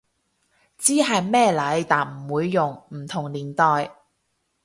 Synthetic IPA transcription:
t͡siː˥ɦɐ˨jmɛː˥˧lɐ˨˥jt̪aː˨˩nm̩˨˩wuː˨˧jːʊ˨˩ŋm̩˨˩t̪ʰʊ˨˩ŋliː˨˩nt̪ɔː˨j

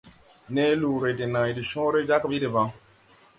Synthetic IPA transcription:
ne˦lu˨ɾe˨di˨nã˨di˨ʃɔ̃ː˦ɾe˦d͡ʒa˦kbi˦di˨ba˨˦

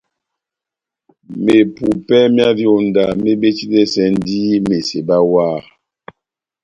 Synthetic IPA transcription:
me˨pu˨pɛ˦mja˦djo˨n˨da˨me˦be˦t͡ʃi˦dɛ˦sɛ˦n˦di˦me˨se˨ba˦waː˦˨

